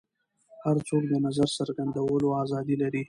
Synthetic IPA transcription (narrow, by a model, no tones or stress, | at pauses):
haɾt͡sokd̪ənazaɾsaɾɡand̪awəloazɑd̪ilaɾi